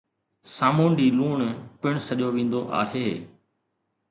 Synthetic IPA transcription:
saːmuːnɖiːluːɳpɪɳ̃səʄoʋẽːnd̪oʔa̰ːɦeː

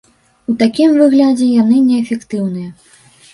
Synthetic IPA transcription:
ut̪akʲimvɨɣlʲad͡zʲɛjanɨnʲɛːfʲɛkt̪ɨwn̪ɨjɐ

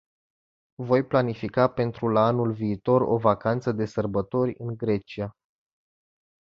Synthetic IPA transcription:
vo̞jplanifikape̞nt̪ɾulaanulviːt̪o̞ro̞̰vakant̪səd̪e̞sərbət̪o̞rʲɨ̰ŋɡɾe̞t͡ʃia

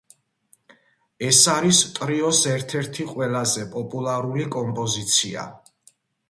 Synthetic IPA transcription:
ɛsaɾist̪ʼɾiɔsɛɾt̪ʰɛɾt̪ʰiqʼwɛlazɛpʼɔpʼulˠaɾulikʼɔmpʼɔzit̪sʰia̰

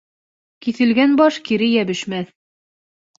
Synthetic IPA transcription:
kiθɘ̆lɡænbɒʃkiɾɘjæβɘ̆ʃmæθ

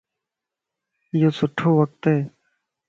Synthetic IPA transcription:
joːsʊʈʰːoːʋək̚t̪ɦeː

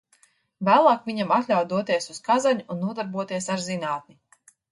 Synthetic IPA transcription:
væːlˠaːkvʲiɲamat̪lʲawtd̪uɔt̪iɛsuskazaɲuunːuɔd̪aɾbuɔt̪iɛsaɾzinaːt̪̚ni

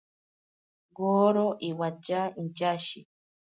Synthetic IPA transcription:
ɡoːɾoʔiwad͡ʒaind͡ʒaʃḭ

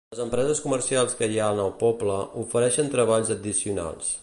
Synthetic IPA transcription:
ləzəmpɾɛzəskumərsialˠskəjaənəlˠpɔbləufəɾɛʃənt̪ɾəβ̞aʎzəd̪isiuna̰lˠs

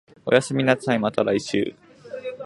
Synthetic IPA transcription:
o̞̰jasɨmʲinasãĩmat̪aɾaiɕɨ̰ː

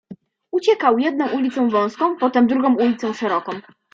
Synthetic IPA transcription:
ut͡ɕɛkawjɛd̪̚nɔ̃w̃ulʲit̪sɔ̃w̃vɔ̃w̃skɔ̃w̃pɔt̪ɛmd̪ɾuɡɔ̃w̃ulʲit̪sɔ̃w̃ʂɛɾɔkɔ̃w̃

